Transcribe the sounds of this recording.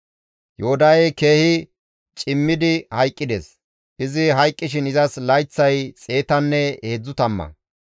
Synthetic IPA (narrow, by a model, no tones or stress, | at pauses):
joʊd̪ɐjɛjke̞ːhɪ | t͡ʃʼɪmːɪd̪ɪhɐjkʼːɪd̪ḛs | ʔɪzɪɦɐjkʼːɪʃ̬ɪnɪzɐslɐjt͡sːɐjt͡sʼe̞ːt̪ɐnːɛe̞ːd͡zːʊt̪ɐmːɐ̰